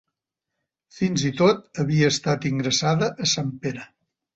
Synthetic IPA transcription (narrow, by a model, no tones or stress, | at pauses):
finzit̪ot̪̚əβiəːst̪at̪iŋɡɾəsaðəʔəsampeɾə